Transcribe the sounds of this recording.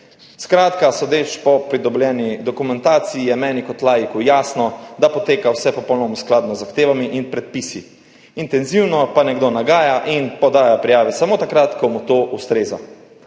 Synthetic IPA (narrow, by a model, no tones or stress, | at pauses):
skɾaːt̪kasɔd̪eːt͡ʃpɔpɾid̪ɔbljɛːnid̪ɔkumɛnt̪aːt̪sijijɛmɛːnikɔt̪laːjikujaːsnɔd̪apɔt̪eːkawsɛpɔpɔwnɔmɔsklaːd̪nɔzːaxt̪eːʋamiʔinpɾɛt̪̚pisi | int̪ɛnziwnɔpanɛɡd̪onaɡaːjaʔinpɔd̪aːjapɾijaːʋɛsamoːt̪akɾat̪kɔmut̪oːʔust̪ɾeːza̰